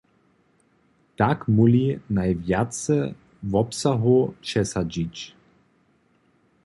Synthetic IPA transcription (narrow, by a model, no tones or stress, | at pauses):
takmulinajvjat͡sə | vɔpsaɦot͡ʃɛsad͡ʑit͡ʃ